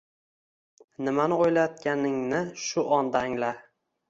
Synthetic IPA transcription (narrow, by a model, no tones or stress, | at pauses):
nɪmanɪojlajɒt̪̚kʲanɪŋnɪʃʊʔɒnd̪aːŋla